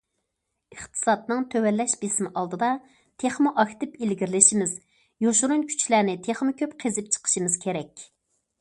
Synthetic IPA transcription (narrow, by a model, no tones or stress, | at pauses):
əχt̪ʰɨ̥sɑt̪nɨŋt̪ʰøwɛlːɛʃbɪsmʔɑlˠd̪ɨd̪ɑ | t̪ʰeχmʊʔɑxʲt̪ɪpilɡʲiɾɪlɪʃimɪz | joʃuɾunkʲʰy̥t͡ʃʰlæɾnɪt̪ʰeχmɨkʲøpqʰezɪp̚t͡ʃʰə̥qʰə̥ʃɨmɨz̥kʲʰeɾɛkʲ